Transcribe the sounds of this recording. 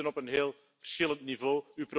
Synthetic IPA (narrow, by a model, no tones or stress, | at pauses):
ənɔpənɦeːlˠ | fəɾsxɪlˠə̃nt̪̚nivoːypɾo